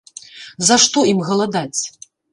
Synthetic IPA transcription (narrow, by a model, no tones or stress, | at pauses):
zɐʂt̪ɔimɣɐlˠad̪at͡sʲ